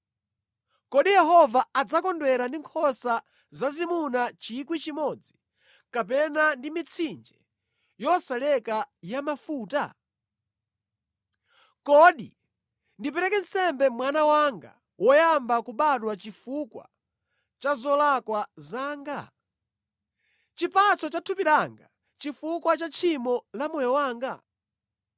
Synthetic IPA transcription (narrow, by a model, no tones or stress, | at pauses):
kɔɗijɛɦɔvaad͡zakɔndwɛɾandiŋkʰɔsa | zazimunat͡ʃikwit͡ʃimɔd͡zi | kapɛnandimit͡sʰind͡ʒɛ | jɔsalɛkajamafuːta̰ | kɔɗḭ | ndipɛɾɛkɛn̩sɛmbɛmwanawaŋɡa̰ | wʔɔjambakuɓaɗwat͡ʃifukwa̰ | t͡ʃazɔlakwazaːŋɡa̰ | t͡ʃipat͡sɔt͡ʃatʰupiɾaŋɡa | t͡ʃifukwat͡ʃat͡ʃʰimɔlamɔjɔwaːŋɡa̰